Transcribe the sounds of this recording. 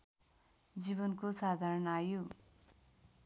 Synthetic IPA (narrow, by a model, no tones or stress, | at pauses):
d͡ziβʌnkosad̪ʱaɾʌnajo